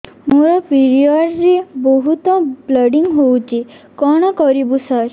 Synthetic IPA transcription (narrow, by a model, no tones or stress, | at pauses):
moɾɔpiɾiɔɖɾebɔɦut̪ɔbləɖiŋɡɦowt͡ʃi | kɔɽ̃ɔkɔɾibusəɾ